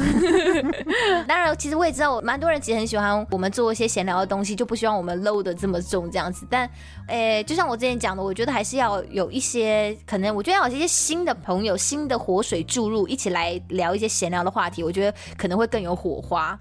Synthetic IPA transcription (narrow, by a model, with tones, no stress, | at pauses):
t̪ɑ˥ŋɻa˧˥nt͡ɕʰi˧˥ʂɻ̩˧˥wɔ˥jɛ˨˩ʈ͡ʂɻ̩˥t̪ʊɔ˨˩ma˧nt̪wɔ˥ɻə˧˥nt͡ɕʰɻ̩˧˥xə˧˥nɕ̬i˨˩xwa˧˦nwɔ˨˩mə˦nt͡swɔ˥˧i˥˩ɕjɛ˥ɕjɛ˧˥nljɑ˧˥ʊd̪ə˧t̪ʊ˥ŋɕ̬i˨t͡ɕjo˥˧ʊpu˥˩ɕ̬y˥wɑ˥˩ŋwɔ˨˩mə˦nlo˥˧ʊd̪ə˩ʈ͡ʂɤ˥˩mə˩ʈ͡ʂʊ˥˩ŋʈ͡ʂɤ˥˧jɑ˥˩ŋd͡zɹ̩˨˩t̪a˥˩n | ɛ˥˧t͡ɕjo˥˧ʊɕjɑ˥˩ŋwɔ˨˩ʈ͡ʂɤ˥˩jɛ˧˥t͡ɕjɑ˨˩ŋd̪ə˦wɔ˨˩t͡ɕɥɛ˧˥d̪ə˧xa˧˥ɪʂɻ̩˥˧jɑ˥˩ʊjo˨˩ʊʔi˥˩ɕjɛ˥kʰɤ˨˩nɤ˧˥ŋwɔ˨˩t͡ɕɥd̪ɕjɛ˥ɕi˥nd̪ə˨pʰɤ˧˥ŋjo˨˧ʊɕi˥nd̪ə˨xwɔ˧˥ʂwe˨˩ɪʈ͡ʂu˥˧ɻu˥˩ʔi˥˩t͡ɕʰi˨˩la˧˥ɪljɑ˧˥ʊi˥˩ɕjɛ˥ɕjɛ˧˥nljɑ˧˥ʊd̪ə˩xwa˥˩t̪ʰi˧˥wɔ˨˩t͡ɕɥɛ˧˥d̪ə˧kʰɤ˨˩nɤ˧˥ŋxwe˥˧ɪkɤ˥˩ŋjo˧˥ʊxwɔ̰˨˩xwa˥